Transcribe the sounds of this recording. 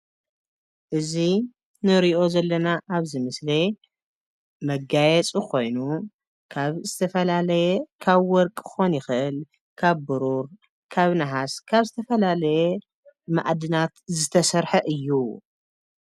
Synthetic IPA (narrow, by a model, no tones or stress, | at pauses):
ʔɨzi | nɨɾiʔo̞zɐlːɐnaʔaβzɨmɨsle | mɐɡajɛt͡sʼukʰo̞jnu | kʰaβzɨt̪ʰɐfɐlalɐjɛkʰaβwɔɾkʼxo̞njɪxɨʔɨl | kʰaβbɨɾuɾ | kʰaβnaɦaskʰaβzɨt̪ʰɐfɐlalɐjɛ | ma̰ʔd̪ɨnat̪zɨt̪ʰɐsɐɾħɐʔɨjːu